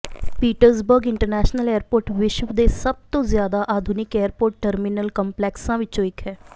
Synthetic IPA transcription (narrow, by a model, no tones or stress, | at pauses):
piːʈəɾsbəɾɡɪɳʈəɾnɛːʃnəlɛːəɾpoːɾʈʋɪʃʋd̪eːsəb̚t̪õːzjaːd̪aːʔaːd̪ʱʊnɪkɛːəɾpoːɾʈ̚ːəɾmɪnəlkəmplɛːksãːʋɪt͡ʃõːɪkɦɛː